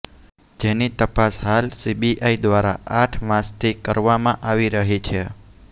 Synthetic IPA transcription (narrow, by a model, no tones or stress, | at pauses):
d͡ʒenit̪əpasɦalsibiʔaid̪ʋaɾa̰ʔaʈʰʋãst̪ʰikəɾʋamãʔaʋiɾəɦit͡ʃʰe